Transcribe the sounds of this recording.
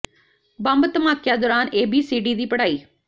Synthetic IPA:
bəmbt̪əmaːkːjaːd̪oːɾaːneːbiːsiːɖiːd̪iːpəɽaːiː

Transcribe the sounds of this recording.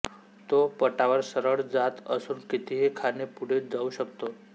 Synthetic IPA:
t̪opəʈaʋəɾsəɾəɭd͡zat̪ə̰suːnkit̪ʰiɦekʰanepuɽ̤ed͡zauɕəkt̪o

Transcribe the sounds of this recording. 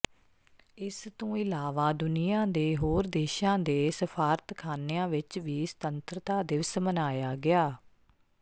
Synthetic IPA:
ɪst̪õːɪlaːʋaːd̪ʊnɪjãːd̪eːɦoːɾd̪eːʃãːd̪eːsəpʰaːɾət̪kʰaːnejãːʋɪt͡ʃʋiːsə̥t̪ənt̪ɾət̪aːd̪ɪʋsmənaːjaːɡɪaː

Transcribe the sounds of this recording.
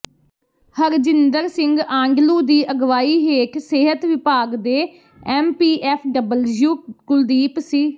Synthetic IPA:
həɾd͡ʒɪnd̪əɾsɪŋɡãːŋɡluːd̪iːʔəɡʋaːiːɦeːkseːɦət̪ʋɪpaːɡd̪eː | ɛːmpiːʔɛːpʰɖəbəljuːkʊld̪iːpsiː

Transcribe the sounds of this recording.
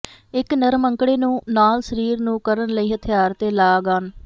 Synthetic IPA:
ɪknəɾməŋkɽeːnũːnaːlsəɾiːɾnũːkəɾənləiːɦət̪ʰɪjaːɾt̪eːlaːɡaːn

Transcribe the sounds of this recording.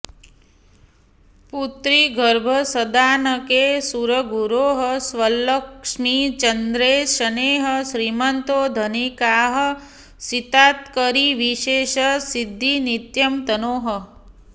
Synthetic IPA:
put̪ɾiɡʱəɾbʱəsəd̪aːnəkesuɾəɡuɾoːɦəsʋələkʂmit͡ʃənd̪ɾeːʃəneːɦəʃɾimənt̪oːd̪ʱənikaːɦə̆ | sit̪aːt̪kəɾiʋiʃeːʃəsid̪ʱːinit̪jɐmt̪ənoːɦə̆

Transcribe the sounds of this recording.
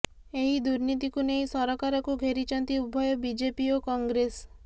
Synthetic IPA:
eɦid̪uɾnit̪̬ikuneɦĩsɔɾɔkaɾɔkuɡʱeɾit͡ʃɔnt̪iubʱɔjɔbid͡ʒepiokɔŋɡɾes

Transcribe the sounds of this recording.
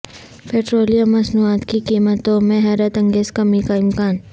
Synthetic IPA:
peːʈɾoːlijamːɐsnuaːt̪kikiːmət̪õmẽɦɛɾət̪ɐ̃ŋɡeːzkɐmikaɪmkaːn

